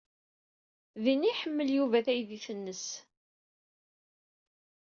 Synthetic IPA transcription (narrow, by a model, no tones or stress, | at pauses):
ðiniħəmːəljuvæθæjðiθənːəs